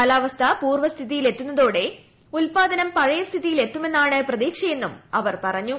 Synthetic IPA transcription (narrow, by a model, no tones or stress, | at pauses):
kɐlaːʋɐst̪ʰɐpuːrʋɐst̪ʰiðijile̞t̪ːunːɐðo̞ːɽe̞ | ulpaːd̪ɐnɐmpɐɻɐjɐst̪ʰiðijile̞t̪ːume̞nːaːɳɨprɐðiːkʂɐjenːumɐʋɐrpɐrɐɲːu